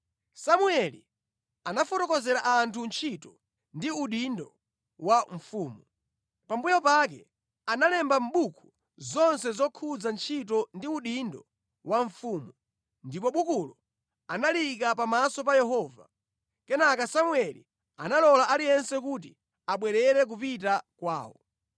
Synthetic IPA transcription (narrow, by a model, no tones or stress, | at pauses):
samuɛlḭ | anafɔtɔkɔzɛɾaʔantʰunt͡ʃʰitɔ | ndiuɗindɔ | waɱ̩fuːmu | pambujɔpak̬ɛ̰ | analɛmbam̩ɓukʰu | zɔnsɛzɔkʰud͡zant͡ʃʰit̬ɔndiuɗindɔ | waɱfuːmu | ndipɔɓukulɔ | analikapamasɔp̬ajɛɦɔva | kɛnakasamuɛlḭ | analɔlaʔalijɛnsɛk̬ut̬i | aɓwɛɾɛɾɛk̬upitakwa̰ːwɔ̰